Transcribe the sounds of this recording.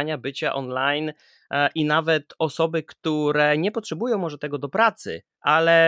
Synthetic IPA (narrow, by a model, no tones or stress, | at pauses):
ɲabɘt͡ɕaʔɔnlajn | ʔinavɛt̪ɔsɔbɘkt̪uɾɛɲɛpɔtʂɛbujɔ̃w̃mɔʐɛt̪ɛɡɔd̪ɔpɾat̪sɘ̰ | ʔalɛ